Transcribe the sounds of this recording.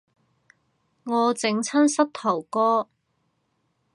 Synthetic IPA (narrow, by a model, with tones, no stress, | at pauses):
ŋɔː˨˧t͡sɪ˨˥ŋt͡sʰɐ˥nsɐ˥t̚t̪ʰɐ˨˩wkɔː˥